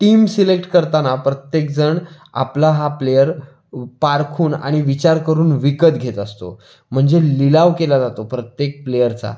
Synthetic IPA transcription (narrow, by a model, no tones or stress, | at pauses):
ʈiːmsilek̚ʈkəɾt̪anapɾət̪jek̚d͡zəɳ | a̰plaɦaplejəɾ | paɾkʰuːna̰ɽ̃iʋit͡ɕaɾkəɾuːnʋikət̪ɡʱet̪əst̪o̰ | m̤əɳd͡zelilaʋkelad͡zat̪opɾət̪jek̚plejəɾt͡sa̰